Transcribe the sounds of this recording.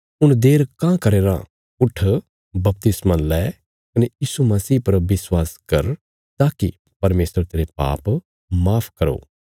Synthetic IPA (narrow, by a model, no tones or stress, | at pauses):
ʊnd̪eːɾkãkɐɾeːɾã̰ | ʊʈʰ | bɐp̚t̪ɪsmalɛː | kɐnejiːsumɐsiːpɐɾʋɪswaːskɐɾ | t̪aːki | pɐɾmeːsɾt̪eːɾepa̰ːp | maːpʰkɐɾo̰ː